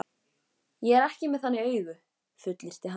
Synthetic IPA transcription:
jɛɛɾɛhcɪmɛðanːɪœːɥɣʏ | fʏt̪lɪɾ̥t̪ɪɦa

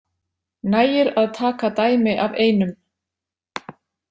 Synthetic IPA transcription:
najɪɾaðt̪ʰaːkat̪aːjmɪʔaveːjnʏm

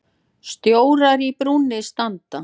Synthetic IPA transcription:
st̪joːwɾaɾipɾuːnɪst̪ant̪a

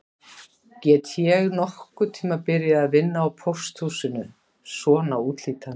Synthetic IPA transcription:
cɛːt̪jɛɣnɔhkʏt̪ʰiːmapɪɾjaðaðvɪnːaːwpʰowr̥st̪huːsɪnʏ | sɔːnauːt̪l̥iːt̪an

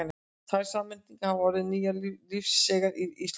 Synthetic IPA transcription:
n | θajɾ̥saːmɪnt̪iŋkhavɔɾðɪniːjalilifsːɛɣaɾiis

